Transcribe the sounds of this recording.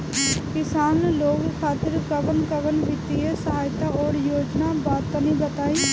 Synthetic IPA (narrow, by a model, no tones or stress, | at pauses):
kɪsaːnuloːkkʰaːt̪ɪɾkəʋənkəʋənʋɪt̪iesəɦaːjt̪aːoːɽjoːd͡ʒnaːbaːt̪ːənĩːbət̪aːiː